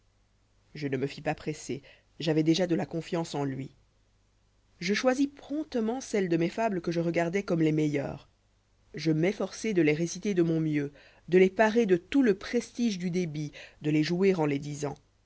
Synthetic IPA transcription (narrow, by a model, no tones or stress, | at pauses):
ʒənəməfipapχese | ʒavɛd̪eʒad̪əlakɔ̃fjɑ̃sɑ̃lɥi | ʒəʃwazipχɔ̃t̪əmɑ̃sɛld̪əmɛfabləkəʒəʁəɡaʁd̪ɛkɔmlɛmɛjœ̰ːʁ | ʒəmɛfɔʁsɛd̪əleʁesit̪ed̪əmɔ̃mjø | d̪əlɛpaʁed̪ət̪uləpχest̪iʒd̪yd̪ebid̪əlɛʒuiʁɑ̃lɛd̪izɑ̃